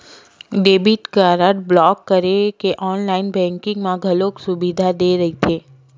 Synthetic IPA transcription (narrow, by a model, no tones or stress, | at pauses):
ɖebiʈkaɾəʈblɔkːəɾekeʔɔnlainbɛ̃ŋkĩŋɡmãɡʱəloksubid̪ʱad̪eɾəɦit̪ʰe